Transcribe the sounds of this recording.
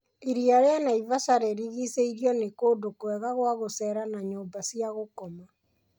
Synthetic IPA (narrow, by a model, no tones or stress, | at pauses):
iɾiaɾeanaivasaɾɛɾiɣiseiɾiɔnekoːdokwɛɣaɣwaɣosɛːɾanaɲoːmbasiaɣokɔma